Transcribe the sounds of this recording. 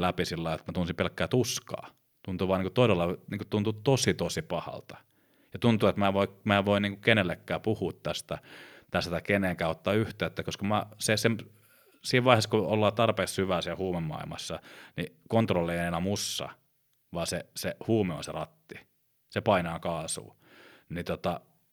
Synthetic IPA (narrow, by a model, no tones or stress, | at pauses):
læpisilːɑiet̪mæt̪unsimpelkːæːt̪uskɑ̰ː | t̪unt̪uʋɑːniŋkut̪oiselːɑniːŋkut̪unt̪ut̪osit̪osipɑhɑ̰lt̪ɑ̥ | jɑt̪unt̪uːet̪mæːʋoimæːʋoiniːŋkukenelːekːæːpuhuːt̪tæst̪æt̪æst̪æt̪ɑikeneŋkæːot̪ːɑːyht̪eːet̪ːækoskɑmæːsesem | siːʋʋɑiheskuolːɑːt̪ɑrpeːkshyʋæːsiælhuːmemːɑ̰ilmɑ̰sːɑnikont̪rolːeenenæmusːɑ̰ | ʋɑːsesehuːmeo̰nserɑt̪ːi | sepɑinɑːkɑːsṵː | nit̪ot̪ɑ